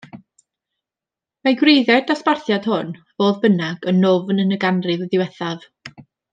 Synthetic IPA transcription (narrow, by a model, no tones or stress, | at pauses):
maɡwrejðɛdasparθjad̥hʊnvoːðbənaɡ̥ənːʊvənənəɡanrɨvəðɪwɛθav̥